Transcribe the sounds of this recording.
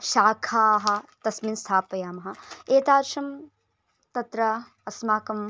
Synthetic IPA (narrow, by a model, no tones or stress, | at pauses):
ʃaːkʰaːɦɐ̆t̪ɐsminst̪ʰaːpɐjaːmɐɦɐ̆eːt̪aːɾʃɐm | t̪ɐt̪ɾɐ | ɐsmaːkɐm